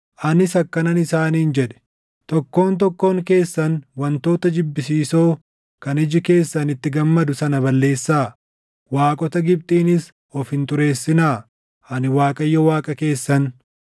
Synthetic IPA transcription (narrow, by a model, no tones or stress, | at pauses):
ʔɐnɪsɐkːɐnɐnɪsaːniːnd͡ʒɛᶑɛ̥ | t̪ɔkːo̞ːnt̪̬ɔkːo̞ːŋke̞ːsːɐnwɐnt̪o̞ːt̪ɐd͡ʒɪbːɪsiːso̞ː | kɐnɪd͡ʒɪke̞ːsːɐnɪt̪ːɪɡɐmːɐd̪ʊsɐnɐβɐlːe̞ːsːaː | waːkʼɔt̪ɐɡɪb̚t̪ʼiːnɪs | ɔfhɪnt̪ʊɾe̞ːsːɪnaː | ɐnɪwaːkʼɐjːɔwaːkʼɐke̞ːsːɐn